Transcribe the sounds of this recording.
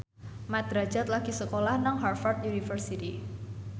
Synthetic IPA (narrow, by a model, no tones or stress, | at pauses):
mɛt̪̚ɾad͡ʒat̪̚laɡ̥isəkolahnaŋɦarfart̪̚junifərsit̪i